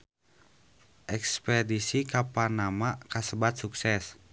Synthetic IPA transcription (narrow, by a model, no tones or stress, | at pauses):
ʔɛkspɛdisikaparnamakasəbat̪̚suksɛs